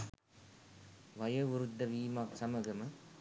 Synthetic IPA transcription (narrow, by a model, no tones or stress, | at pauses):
ʋɐjɐʊɾɯd̪ːɐʋiːmaːksɐmɐɣɐmɐ